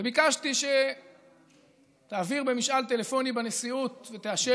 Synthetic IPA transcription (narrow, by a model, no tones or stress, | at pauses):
vebikaʃtiʃe | t̪aːviʁbe̞miʃʔalt̪e̞le̞fo̞nibane̞siut̪ve̞t̪eaʃe